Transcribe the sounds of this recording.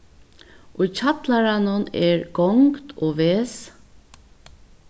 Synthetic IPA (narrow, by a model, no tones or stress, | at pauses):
ʔʊcʰat̪laɾanʊnɛɹɡɔŋkt̪ʰoːʋeːs